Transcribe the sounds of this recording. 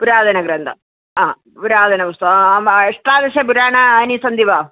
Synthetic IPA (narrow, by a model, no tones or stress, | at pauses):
puɾaːd̪ɐnɐɡɾɐnd̪ʰɐ̰ | aː | puɾaːd̪ɐnɐʋust̪ɐeʂʈɾaːd̪ɐʃɐpuɾaːɳɐɐnisɐnd̪iʋaː